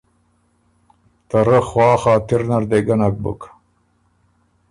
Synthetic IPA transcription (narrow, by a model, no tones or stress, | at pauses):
t̪ɐɾɐxwaːxaːt̪iɾnɐɾd̪eɡɐnɐk̚bɨ̰k